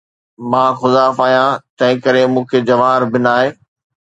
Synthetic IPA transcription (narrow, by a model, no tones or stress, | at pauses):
mãːxʊzaːfaːijãt̪ɐ̃ɦɪ̃kɐɾemũːkʰed͡ʑɐʋaːɾbɪnaːɦeː